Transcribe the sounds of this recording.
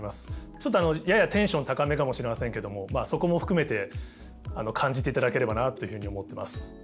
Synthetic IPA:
masɨ̥t͡ɕo̞t̪ːoano̞jajat̪ẽ̞ɰ̃ɕõ̞nt̪akame̞kamo̞ɕiɾe̞masẽ̞ŋke̞d̪o̞mo̞maːso̞ko̞mo̞ɸɯ̟̥kɯ̟me̞t̪e̞ | ano̞kʰãɲ̟d͡ʑit̪e̞it̪ad̪ake̞ɾe̞banat̪ːo̞jɯ̟ɸɯ̟ɲ̟io̞mo̞t̪ːe̞ma̰sɨ̥

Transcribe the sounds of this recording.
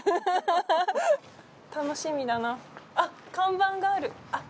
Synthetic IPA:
t̪ano̞ɕimʲid̪anaa | kãmbãŋɡaːɾɯ̟ | a

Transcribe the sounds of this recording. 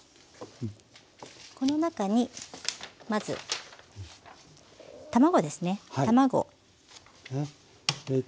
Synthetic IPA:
ko̞no̞nakaɲ̟i | mazɨ̰ | t̪amaɡo̞d̪e̞sɨne̞t̪amaɡo̞̰

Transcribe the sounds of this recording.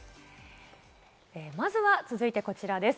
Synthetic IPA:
eːmazɨβat͡sɨzɨit̪e̞ko̞t͡ɕiɾad̪e̞s

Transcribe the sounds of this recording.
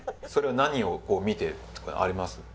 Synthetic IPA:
so̞ɾe̞βanaɲ̟io̞ko̞ːmʲit̪e̞t̪ːo̥ko̰ʔa̰ɾʲimasɨ

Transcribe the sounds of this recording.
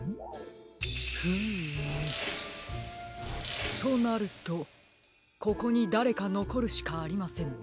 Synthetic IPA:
hɯ̟ | t̪o̞naɾɯ̟t̪o̞ | ko̞ko̞ɲ̟id̪aɾe̞kano̞ko̞ɾɯ̟ɕi̥kaːɾʲimasẽ̞ɴ

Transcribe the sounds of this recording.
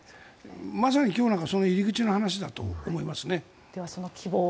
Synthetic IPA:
mas̬aɲ̟ʲikʲo̞ːnãŋkaso̞no̞iɾʲiɡɯ̟t͡ɕino̞hanaɕ̬id̪at̪o̞̰ːmo̞imasɨne̞ | d̪̥eβasonokʲʰiboː

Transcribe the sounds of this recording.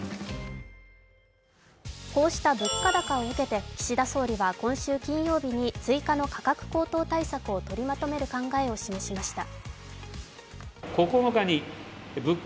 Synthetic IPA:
ko̞ːɕi̥t̪abɯ̟kːad̪akao̞ɯ̟ke̞t̪e̞kʲi̥ɕid̪aso̞ːɾʲiβakõ̞ɰ̃ɕɨːkʲĩɰ̃jo̞ːbʲiɲ̟it͡sɨikano̞kʰḁkakɯ̟̥ko̞ːt̪o̞ːt̪aisakɯ̟o̞t̪o̞ɾʲimat̪o̞me̞ɾɯ̟kãŋɡae̞o̞ɕime̞ɕimaɕi̥t̪a | kokonokaɲ̟i | bɯk

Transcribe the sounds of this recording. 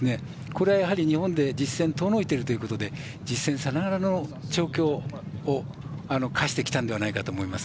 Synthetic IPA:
ne̞ | ko̞ɾe̞βajaɦaɾʲiɲ̟ihõ̞nd̪e̞d͡ʑisːẽ̞nt̪o̞no̞it̪e̞ɾɯ̟t̪o̞jiɯ̟ko̞t̪o̞d̪e̞ | d͡ʑisːẽ̞ɰ̃sanaɡaɾano̞t͡ɕo̞ːkʲo̞ːo | ano̞kʰaɕi̥t̪e̞kʲi̥t̪ãnd̪e̞βanaikat̪o̞ːmo̞imasɨ̥

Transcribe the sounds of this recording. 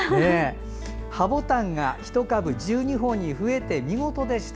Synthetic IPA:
neː | habo̞t̪ãŋɡaçi̥t̪o̞kabɯ̟d͡ʑɨːɲ̟iɦo̞ːɲ̟ːiɸɯ̟e̞t̪e̞mʲiŋo̞t̪o̞d̪e̞ɕi̥t̪

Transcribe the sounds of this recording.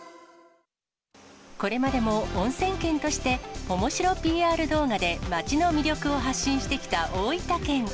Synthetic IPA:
ko̞ɾe̞mad̪e̞mõ̞ːɰ̃sẽ̞ŋkẽ̞nt̪o̞ɕi̥t̪e̞o̞mo̞ɕiɾo̞pʲiːaːɾɯ̟d̪o̞ːɡad̪e̞mat͡ɕino̞mʲiɾʲo̞kɯ̟o̞ɦaɕːĩɰ̃ɕi̥t̪e̞kʲi̥t̪aʔoːit̪akẽ̞ŋ

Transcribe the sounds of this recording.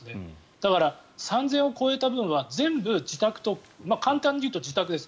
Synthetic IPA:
ne | d̪̥akaɾasãnd͡zẽɰ̃o̞ko̞et̪abɯ̟̃ɰ̃βazẽ̞mbɯ̟d͡ʑit̪akɯ̟̥t̪o̞ | makãnt̪ãɲ̟ːijɯ̟ːt̪o̞d͡ʑit̪akɯ̟d̪e̞s

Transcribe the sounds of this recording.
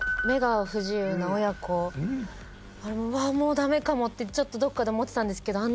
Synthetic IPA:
me̞ɡaɸɯ̟ʑɨːnaojakʰo̞ | aɾemoβaːmo̞ːd̪ame̞kamo̞t̪ːe̞t͡ɕo̞t̪ːo̞d̪o̞kːad̪e̞omo̞t̪ːe̞t̪ãnd̪e̞sɨ̥ke̞d̪o̞an

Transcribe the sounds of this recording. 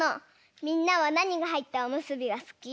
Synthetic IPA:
o | mʲĩnːaβanaɲ̟iɡaɦait̪ːaomɯ̟sɨbʲiɡasɨ̥kʲi

